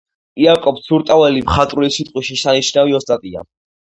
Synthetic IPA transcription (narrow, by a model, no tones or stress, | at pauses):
iakʼɔp̪̚sʰuɾt̪ʼavɛlimχat̪ʼɾulisit̪ʼqʼwiʃisanit͡ʃʰnaviɔst̪ʼat̪ʼia̰